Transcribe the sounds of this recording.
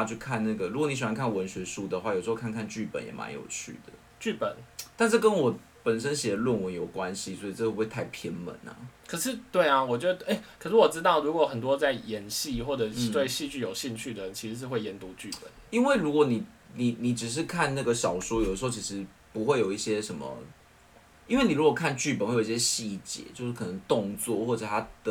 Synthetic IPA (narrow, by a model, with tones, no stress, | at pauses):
a˥˧t͡ɕʰy˥˧kʰa˥˧nna˥˩ɡə˩ɻu˧˥kwni˥ɕ̬ɛ˨˩wa˧˥ŋkʰa˥˩nwə˧˦nɕɥɛ˧˥ʂu˥d̪ə˨xwa˥˩jʂ̩˧o˥˧kʰŋkʰa˥˧nt͡ɕy˥˩pə̰˨˦njɛ̰˨˩mʔa̰˧˦njo̰˨˩ʊt͡ɕʰy̰˥˩d̪ə̰˩˦ | t͡ɕy˥˩pə̰˨˩˦nt̪a˥˧nʂ̬̩˥˩kə˦nwɔ˨˩ | pə˨˩nʂə˥nɕjɛ˨˩d̪ə˦lwə˥˨nwə˧˦njo˨˩ʊkwa˦nɕi˨swɔ˧˥i˨˩ʈ͡ʂə˥˧˥we˥˧t̪ʰa˥˩ɪpʰjɛ˥nmə̰˧˦nɐ̰˨˩kʰə˨˩ʂɻ̩˥˧t̪we˥˩ɪa˩wɔ˨˩t͡ɕjɔ˥˧d̪ə˩e˥˩ɪkʰə˨˩ʂɻ̩˥˩wɔ˨˩ʈ͡ʂɻ̩˥t̪ɑ˥˩ʊɻu˧˥kwɔ˨˥xə˨˩nt̪wɔ˥t͡sa˥˩ɪjɛ˧˥nɕi˥˧xwɔ˥˩ʈ͡ʂɤ˨˩t̪we˥˧ɪɕi˥˧t͡ɕy˥˩jo˨˩ʊɕi˥˧ŋt͡ɕʰy˥˩d̪ə˨˩˨t͡ɕʰi˧˥ʂɻ̩˧˥ʂ̬ɻ̩˥˧xwe˥˩ɪjɛ˧˥nt̪u˧˥t͡ɕy˥˩pə̰˨˦ni˥nwe˥˩ɪɻu˧˦˥kwɔ˧˥ni˨˩ni˨˩ni˨˩ʈ͡ʂɻ̩˨˩ʂ̬ɻ̩˥˧kʰa˥˧nna˥˩ɡə˩ɕɑ˨˩ʊʂwɔ˥jdə˧ʂ̩˧˥ʊt͡ɕʰi˥ʂɻ̩˧˥ | pu˧˦xwe˥˩ɪjo˨˩ʊi˥˩ɕjɛ˦ʂə˧˦nmə̰˨ | i˥nwe˥˩ni˨˩ɻu˥kwɔ˨˩kʰa˥˧nt͡ɕy˥˩pə˨˩˦xwo˨˩˨i˥ɕjɛ˥ɕi˥˩t͡ɕjɛ̰˧˦t͡ɕjo˥˧ʊʂ̩˥˩kʰə˨˩nə˧˦ŋt̪o˥˧ŋt͡swɔ̰˥˨xwɔ˥˩ʈ͡ʂə˨˩t̪ʰa˦˥d̪ə˦